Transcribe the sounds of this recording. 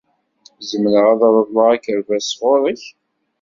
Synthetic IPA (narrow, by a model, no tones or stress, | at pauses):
zəmnəʁæðˤɾˤəðˤləʁækəɾvæsʁʊɾˤəç